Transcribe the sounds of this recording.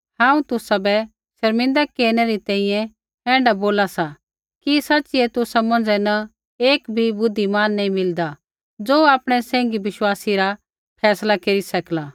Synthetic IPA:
hãːũt̪ʊsabɛ | ʃɐɾmɪ̃nd̪akeːɾñɛɾit̪ɛ̃ːĩjɛ̃ | ɛ̃ːɳɖaboːlasa | kisɐːt͡ʃiɛt̪ʊsamɐ̃nd͡zɛna | eːkbʱibʊd̪ʱːimaːnːɐ̃ĩmɪld̪a | d͡zoːaːpɽ̃ɛsɛ̃ːŋ̆ɡiʋɪʃwaːsiɾa | pʰɛːslakeɾisɐklaː

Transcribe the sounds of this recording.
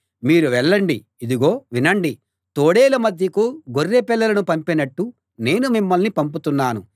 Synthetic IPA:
miːɾuʋɛɭːɐɳɖiːd̪iɡo̞ːʋinɐɳɖi | t̪oːɽeːlɐmɐd̪ʱjɐkuɡorːeːpɛlːɐlɐnupɐmpinɐʈːu | ne̞ːnumimːɐlnipɐmp̬ut̪unːaːnu

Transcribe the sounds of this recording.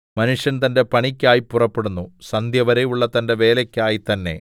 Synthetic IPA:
mɐnuʂjɐnt̪ɐnde̞pɐɳikʲːaːjipːurɐpːeɽunːusɐnd̪jɐʋɐɾejuɭːɐt̪ɐnde̞ʋe̞ːlɐkʲːaːjit̪ɐnːe̞̰

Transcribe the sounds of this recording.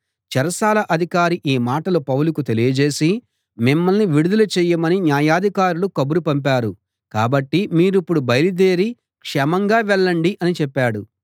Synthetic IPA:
t͡ʃɐɾɐsaːlɐʔɐd̪ʱikaːɾiʔiːmaːʈɐlupɐwulukut̪e̞lijɐd͡ʒe̞ːsi | mimːɐlniʋiɽud̪ulɐt͡ʃɛːjɐmɐninjaːjaːd̪ʱikaːɾulukɐbuɾupɐmpaːɾu | ka̰ːbɐʈːimiːɾipːuɽubɐjlid̪eːɾi | kʂɛmɐŋɡaːʋɛɭːɐɳɖiʔɐnit͡ʃɛpːaːɽu

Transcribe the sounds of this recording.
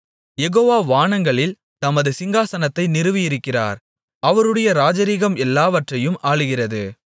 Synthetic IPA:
jɛɣoːʋaːʋaːɳɐŋɡɐɭɪl | t̪ɐmɐðɯsɪŋɡaːsɐnɐt̪ːɐɪnɪrɯʋɪjɪɾɯkːɪra̰ːɾ | ɐʋɐɾɯɽɐjɐɾaːd͡ʒɐɾiɣɐmɛlːaːʋɐʈrɐjɯmʔaːɭɯɣɪrɐðɯ

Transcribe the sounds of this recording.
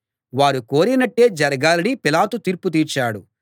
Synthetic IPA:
ʋaːɾuko̞ːɾinɐʈːe̞ːd͡ʒɐɾɐɡaːlɐɽipilaːt̪ut̪iːɾput̪̬iːɾt͡ʃaːɽu

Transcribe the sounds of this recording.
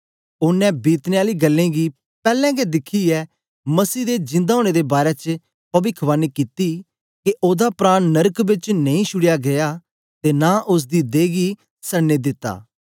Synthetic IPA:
ʊnːɛ̃biːt̪neːaːliːɡəlːẽːɡiː | pɛːlɛ̃ɡɛd̪ɪkʰːiɛː | mɐsiːd̪ed͡ʒɪ̃nd̪aoːɽ̃ed̪eːbaːɾɛt͡ʃ | pɐbikʰʋaːnikit̪i | keʔoːd̪apɾaːnːəɾəkbɪt͡ʃneĩːʃʰʊɽjaɡejaː | t̪eːnaːʔʊs̬d̪id̪eːɡi | səɽned̪ɪt̪ːa̰ː

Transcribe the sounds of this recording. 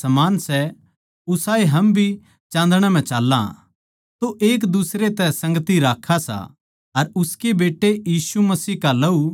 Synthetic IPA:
sɐmaːnsɛ | ʊsaːeɦɐmbʱi | t͡ʃãːnd̪ɽ̃ɛ̃m̤ɛ̃t͡ʃaːlːã̰ | t̪oʔeːkd̪ʊsɾet̪ɛsɐ̃ŋɡət̪iɾaːkʰːasa̰ | ɐɾʊskebeːʈːejiːsumɐsiːkalɐu

